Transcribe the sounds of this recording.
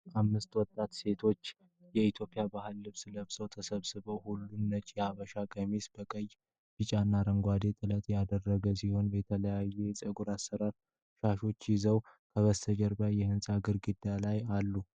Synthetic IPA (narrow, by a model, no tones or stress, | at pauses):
amːɨst̪wɔt̪ʼːat̪se̞t̪ʰo̞t͡ʃː | jɛit̪ʰjo̞pʼɪjabahɨlːɨβsɨləβsʼəwt̪ʰəsəβsɨβəwhulːunːət͡ʃʼɛaβəʃaɡəmisbəkʼəjː | fit͡ʃʼanːaɾəŋɡʷwad̪et̪ʼɨlət̪ʼjad̪ərːəɡəsiho̞nbɛt̪ʰələjajːesʼəɡuɾasːəɾaɾ | ʃaʃo̞t͡ʃːjɪzəwkʰəβəst̪ʰəd͡ʒəɾbjajɛhɨnsʼaɡɨɾɡɨd̪alajalːu